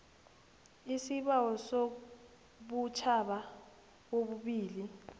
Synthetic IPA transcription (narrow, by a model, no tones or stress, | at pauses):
isiɓawɔso | ɓut͡ʃʰaɓa | k̬oɓuɓiːli